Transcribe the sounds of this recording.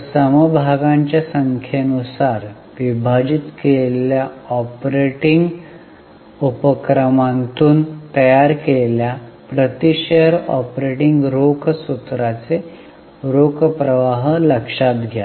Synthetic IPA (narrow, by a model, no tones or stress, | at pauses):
səməbʱaɡãɲt͡ɕjasəŋkʰjenusaɾ | ʋibʱad͡ʑit̪keleljaɔpɾeʈiŋɡ | upəkɾəmãnt̪uːnt̪əjaɾkellja | pɾət̪iɕeəɾɔ̰pɾeʈiŋɡɾokʰsut̪ɾat͡se | ɾokʰpɾəʋaɦləkʂat̪ɡʱja